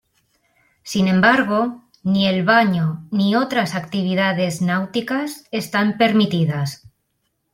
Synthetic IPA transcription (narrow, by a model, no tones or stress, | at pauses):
sinẽ̞mbaɾɣo̞ | nie̞lβaɲonio̞t̪ɾasakt̪iβ̞iðað̞e̞znawt̪ikase̞st̪ampe̞ɾmit̪iðas